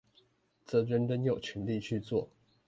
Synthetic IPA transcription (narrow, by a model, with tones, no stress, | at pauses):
t͡sɤ˥˩ɻə˥nɻə˥njo˨˩ʊt͡ɕʰɛ˧˥˦nli˥˧t͡ɕʰy˥˧t͡swɔ˥˨